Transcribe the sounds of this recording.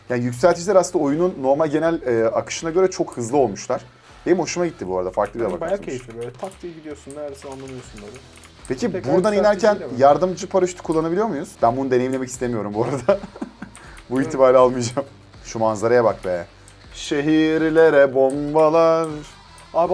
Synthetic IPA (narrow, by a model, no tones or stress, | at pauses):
jaːnijycʲsælʲt̪ʰid͡ʒilʲɛɾasɯnd̪ao̞jununːo̞ɾmalʲɟe̞nælʲɛːakʰɯ̥ʃɯnaɟø̞ɾɛt͡ʃʰo̞khɯzlˠɯo̞lˠmuʃlˠaɾ̥ | hemho̞ʃumaɟit̪ːibuaɾad̪afaɾklˠɯbilabakaejifibøjlʲɛt̪ʰakt̪ʰijɟid̪ijo̞sunːæɾɾsinanˠamijosunaɾɯ | pʰecʰibuɾd̪aninæɾcʰænjaɾd̪ɯmd͡ʒɯpʰaɾɯʃt̪ʰu̥kʰulˠːanabilʲijo̞ɾmujuz̥bænbunud̪enejimlʲemɛcist̪emijo̞ɾumbuaɾad̪a | buiçt̪ʰibaːɾlʲialˠmɯjd͡ʒam | ʃumanzaɾajabakbɛɛ | ʃe̞ɦiɾilʲeɾɛbo̞mbalˠaɾ | a